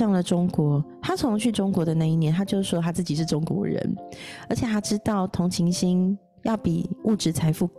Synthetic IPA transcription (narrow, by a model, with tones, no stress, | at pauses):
ɑ˥˩ŋlə˩ʈ͡ʂʊ˥ŋkwɔ˧˦t̪ʰa˥t͡sʰo˧˥ŋ˧t͡ɕʰy˥˩ʈ͡ʂʊ˥ŋkwɔ˧˥d̪ə˧na˥˧i˥˩njɛ˧˦nt̪ʰa˥t͡ɕjo˥˧ʊʂʂwɔ˦˥t̪ʰa˥t͡sɹ̩˥˩t͡ɕi˨˩ʂ̬ɻ̩˥˩ʈ͡ʂʊ˥ŋkwɔ̰˧˥ɻə̰˧˦nə˞˧˥t͡ɕʰjɛ˨˩t̪ʰa˥ʈ͡ʂɻ̩˥t̪ɑ˥˩ʊt̪ʰʊ˧˥ŋt͡ɕʰi˧˥ŋɕi˥ŋ | jɑ˥˩ʊpi˨˩u˥˩ʈ͡ʂɻ̩˧˥t͡sʰa˧˥ɪfu˥˩